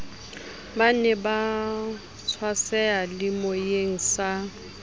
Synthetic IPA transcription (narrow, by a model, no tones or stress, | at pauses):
banɛba | t͡sʰwasɛalɪmojeŋ̩sa